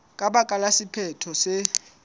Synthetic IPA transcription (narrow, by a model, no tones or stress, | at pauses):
kʼaɓakʼalasipʰɛtʰɔsɛ